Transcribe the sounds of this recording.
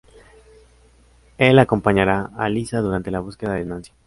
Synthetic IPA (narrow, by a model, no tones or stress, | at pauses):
elako̞mpaɲaɾaalisaðuɾant̪e̞laβ̞uske̞ðaðenansjḁ